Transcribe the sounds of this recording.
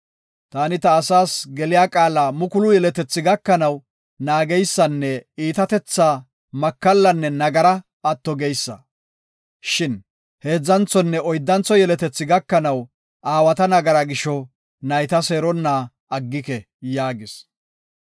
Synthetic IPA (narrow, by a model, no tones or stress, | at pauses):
t̪aːnɪt̪ɐːsaːsɡɛlɪjaːkʼaːlaːmʊkʊlʊjɛlɛt̪ɛt͡sːɪɡɐkːɐnɐw | naːɡɛjsːɐnːɛiːt̪ɐt̪ɛt͡sːaː | mɐkːɐlːɐnːɛnɐɡɐɾɐ | ɐt̪ːɔɡejsːɐ̰ | ʃɪn | he̞ːd͡zːɐnt͡sɔnːɛɔjd̪ːɐnt͡sːɔjɛlɛt̪ɛt͡sːɪɡɐkːɐnɐw | ʔaːwɐt̪ɐnɐɡɐɾaɡɪʃɔ | nɐjt̪ɐseːɾɔnːaː | ʔɐɡːɪkɛ | jaːɡɪs